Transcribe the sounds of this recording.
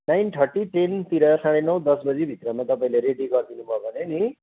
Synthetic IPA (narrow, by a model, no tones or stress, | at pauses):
najnʈ̪ʰʌrʈiʈent̪iɾʌsaɽ̃enʌwd̪ʌsbʌd͡zibʱit̪rʌmat̪ʌpaĩleɾeɖiɡʌrd̪inubʱʌbʱʌneni